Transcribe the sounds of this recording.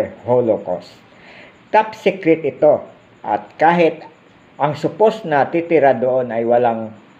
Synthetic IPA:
holoko̰st̪ | t̪ap̚sikɾɛt̪ʔɪt̪o̞ | ʔɐ̰t̪̚kaːɦɪt̪ | ʔɐŋsʊposnɐt̪it̪ɪɾad̪oʔonɐjwɐlaŋ

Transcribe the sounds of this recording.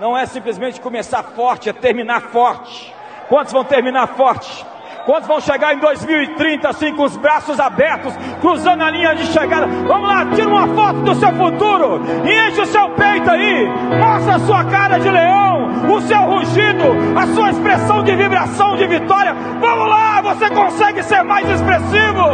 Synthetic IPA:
nɐ̃w̃ɛsĩmplɪzmẽnt͡ʃɪ̥kõmesaɾfɔɾt͡ʃɪɐt̪eɾmĩnaɾfɔɾt͡ʃɪ̥ | kwɐ̃t̪ʊzvɐ̃w̃t̪eɾmĩnaɾfɔɾt͡ʃɪ̥ | kwɐ̃t̪ʊzvɐ̃w̃ʃeɡaɾẽd̪ojzmiwɪt̪ɾĩnt̪ɐasĩkõʊzbɾasʊzabɛɾt̪ʊskɾuzɐ̃nd̪ʊɐlĩɲɐd͡ʒɪʃeɡad̪ɐvɐ̃mʊlat͡ʃiɾũmɐfɔt̪ʊd̪ʊsewfut̪uɾʊɪẽʃɪʊsewpejt̪ʊai | mɔsɐasuɐkaɾɐd͡ʒɪleɐ̃w̃ | ʊsewhuʒid̪ʊɐsuɐespɾesɐ̃w̃d͡ʒɪvibɾasɐ̃w̃d͡ʒɪvit̪ɔɾiɐ | vɐ̃mʊlavosekõsɛɡɪseɾmajzespɾesivʊ

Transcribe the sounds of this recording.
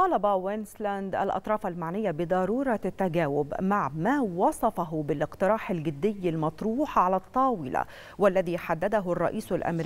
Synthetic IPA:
t̪ɑːlɑbawɪnslænd̪ʔa̰lʔɑ̰t̪ˤɾˤɑːfalmaʕnɪjːabɪd̪ˤɑɾuːɾˤɑt̪ːaɡæːwɪbmaʕmaːwɑsˤɑfɑɦʊbɪlʔɪqt̪ɪɾɑːħɪlɡɪd̪ːɪjːɪlmɑt̪ˤɾuːħʕalæt̪ˤːɑːwɪla̰ | walːæðiːħad̪ːæd̪aɦʊrˤːɑ̰ʔiːsʊlʔæ̰mɾ

